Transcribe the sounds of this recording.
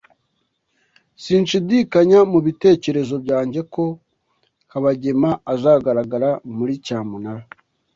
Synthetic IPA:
siːnʃidikaɲamuβite̞ːce̞ɾe̞zo̞bjɟaːɲɟe̞ko̞ | kaβaɟe̞maazaːɡaɾaɡaɾamuɾicaːmunaɾa

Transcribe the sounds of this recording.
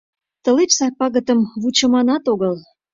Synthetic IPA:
t̪ə̆let͡ɕsɑpɑɣə̆t̪ə̆mβut͡ɕə̆mɑnɑt̪oɣəl

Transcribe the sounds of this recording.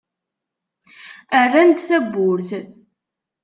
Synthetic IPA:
arːant̪θæbːʊɾθ

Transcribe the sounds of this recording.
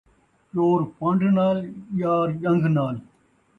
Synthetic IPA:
t͡ʃoːɾpɐ̃ɳɖnaːljaːɾd͡ʒɐ̃ŋɡʱnaːl

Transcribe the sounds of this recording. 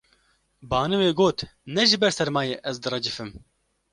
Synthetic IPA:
bɑːnɨweːɡoːt̪nɛʒɪbɛɾsɛɾmɑːjeːʔɛzd̪ɨrɛd͡ʒɨfɨm

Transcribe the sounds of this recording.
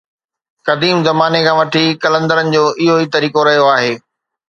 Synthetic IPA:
kɐd̪iːmzɐmaːnekʰãːʋɐʈʰikɐlə̃nd̪əɾənɪ̆d͡ʑoːʔɪɦoɦit̪ɐɾiːkoɾɐɦijoaːɦeː

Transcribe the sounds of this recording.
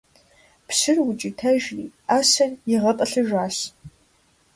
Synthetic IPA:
psɨrwʊt͡ʃʼitʰɐʒriːaːsɐrjɪʁɐtʼɐɬɨʒʷaːɕ

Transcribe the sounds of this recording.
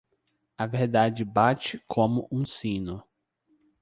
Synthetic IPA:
ɐveɾd̪ad͡ʒɪbat͡ʃɪkʰõmʊʔũsĩnʊ

